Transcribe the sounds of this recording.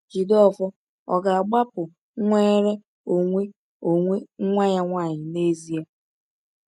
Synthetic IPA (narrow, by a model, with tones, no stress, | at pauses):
ki˨dɔ˦fɔ˦ | ɔ̰˨ɡa˨a˨ɡ͡ba˦pʊ˨ | ŋʷeː˦ɾe˦ | o˨ŋʷe˦ | o˨ŋʷe˦ŋ̩˦ŋʷa˦ɲa˦ŋʷa˦˨ɲɪ˨ne˦zi˦ja˦